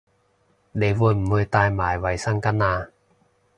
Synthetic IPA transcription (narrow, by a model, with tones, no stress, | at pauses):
ɗe˨˦vo˧jm̩˨˩hə˧jt̪aː˧jmaː˨˩jwa˨˦jsa˥˩ŋka˧˥naː˧